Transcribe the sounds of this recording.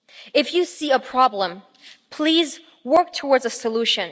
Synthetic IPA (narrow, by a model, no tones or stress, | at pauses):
ɪfjɨsiəpʰɹ̥ɑblə̃m | pʰl̥iz | wɜ˞k̚tʰəwɔɹdzəsəluʃɨ̃n